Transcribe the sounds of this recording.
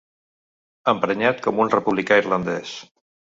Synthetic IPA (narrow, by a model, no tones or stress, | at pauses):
əmpɾəɲat̪̚kɔmunrəpuβlikaiɾlənd̪ɛs